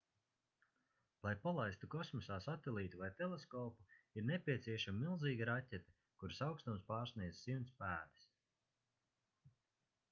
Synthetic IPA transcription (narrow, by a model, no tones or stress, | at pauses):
lˠajpalˠajst̪ukɔsmɔsaːsat̪ɛlˠiːt̪uvajt̪ɛlˠeskɔːpuiɾnɛpʲiɛsʲiɛʃamimilˠziːɡiɾatʲɛt̪ɛ̥ | kuɾsawkst̪umspɑːɾsniɛd̪z̥simnspæːd̪i̥s